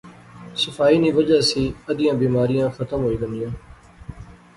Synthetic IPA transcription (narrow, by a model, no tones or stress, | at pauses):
səfaːiːnĩːʋəd͡ʒaːsiːəd̪ɪjãːbiːmaːɾɪjãːxət̪əmɦoːiːʋə̃nd̪ɪjãː